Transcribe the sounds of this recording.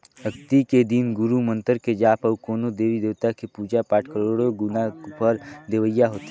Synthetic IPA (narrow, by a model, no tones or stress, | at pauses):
ɦəkt̪iked̪inɡʊɾumə̃nt̪əɾked͡ʒaːpɐukoːnod̪eːɾid̪eːt̪akepuːd͡ʒapaːʈʰkəɾoːɽoɡʊnapəɾd̪eʋəjːaɦoːt̪i